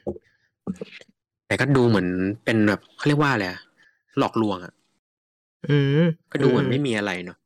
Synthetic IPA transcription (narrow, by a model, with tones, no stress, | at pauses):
t̪ɛː˨˩kɔː˥˩duː˧mɯ˩˦ənpe˧nbɛː˨˩p̚kkʰɔ˥˩jli˥˩kwaː˥˩˨la˧˩ʔa˨˩ʔ | lɔː˨˩k̚lu˧əŋʔa̰˨˩ʔ | ʔɯː˧˩kɔː˥˩duː˧mɯ˩˦nma˥˩jmiː˧ʔa˧ɾa˧jnɔ˦˥